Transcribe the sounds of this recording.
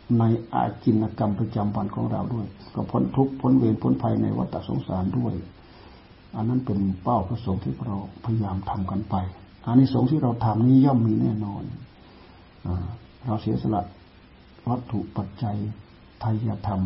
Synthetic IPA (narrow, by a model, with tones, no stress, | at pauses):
na˧jʔa̰ː˧˩ki˧nːa˧ka˧mpɾa˧t͡ɕa˧mwa˧nkʰɔ̰ː˨˦ŋɾa̰˧wdu˥˩əjkɔ˧˩pʰo˧˥nt̪ʰu˧˥k̚pʰːo˧˥˦nweː˧˨npʰo˧˦npʰa˧jna̰˧jwa̰˧˥t̪ʰːa˧˨so̰˧˦ŋsaː˨˦ndu˥˩əj | ʔa˧˨nːa˧˥˨npe˨npa˧˩wpʰso˨˦ŋt̪ʰiː˧˩bɾa˧wpʰa˧ja˧jaː˧mt̪ʰa˧mka˨npa˧j | ʔa˧nːiː˧˩˨so˨˦ŋt̪ʰiː˧˩ɾa˧wt̪ʰa˧˩mniː˥˨jɔː˧˥˩mːiː˧nɛː˧˩nɔː˧n | ʔaː˧˩ | ɾa˧wsi˨˦əsa˧la̰˧ʔ | wa˦˥t̪ʰːu˧˨ʔpa˧t̪̚t͡ɕa˧j | t̪ʰa˧jːaː˧t̪ʰa˧m